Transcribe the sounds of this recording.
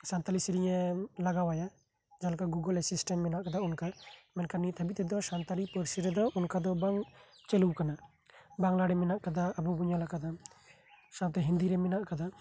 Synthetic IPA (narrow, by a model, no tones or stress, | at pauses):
sant̪alisiɾijɛlaɡawaja | d͡ʒalkaɡuɡəlɛsisʈɛnmɛnaʔkad̪aunkamɛnkanit̪ʰəbit̪ɛd̪ɔsant̪alipəɾsiɾɛd̪ɔʔunkad̪ɔbaŋ | t͡ʃɛluwkana | baŋlaɽɛmɛnaʔkad̪aəbubuɲalakad̪a | sawt̪ɛɦind̪iɾɛmɛnaʔkad̪a